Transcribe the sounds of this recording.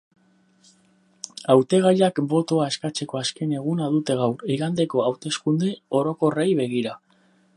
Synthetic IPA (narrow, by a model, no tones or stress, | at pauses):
awt̪e̞ɣ̞aʎakbo̞t̪oae̞skat͡se̞ko̞aske̞ne̞ɣ̞unaðut̪e̞ɣaweɣand̪e̞ko̞awt̪e̞skund̪eo̞ɾo̞ko̞rajβe̞ɣ̞iɾa